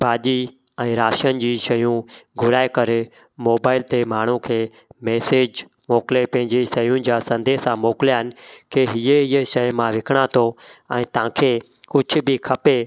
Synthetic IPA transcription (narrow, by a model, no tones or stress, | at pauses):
bʱaːʄi | ɛ̃ːɾaːʃənɪ̆d͡ʑiːʃɐjũɡʱʊɾaːekɐɾ | moːbaːɪlt̪emaːɳ̤ũkʰeː | meːseːd͡ʑ | moːklepɐ̃ɦɪ̃ɲd͡ʑeʃɐjũd͡ʑaːsɐ̃nd̪eːsãmoːkɪljaːɦɪnɪ̆kʰeːɦieɪjeʃɐjmãʋɪkʰəɽ̃at̪ʰoɛ̃ːt̪ɐãːkʰeː | kʊd͡ʑʱʊ̆bɪkʰɐpe